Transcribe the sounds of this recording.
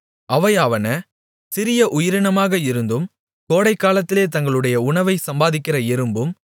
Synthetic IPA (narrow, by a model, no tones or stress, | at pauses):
ʔɐʋɐɪɐʋɐnɐ | sɪɾɪjɐʔʊjɪɾɪɳɐmaːɣɐɪɾɯnd̪ɯm | koːɽɐɪkːaːlɐt̪ːɪleːt̪ɐŋɡɐɭɯɽɐjɐʊɳɐʋɐɪsɐmbaːðɪkːɪrɐɛɾɯmbɯm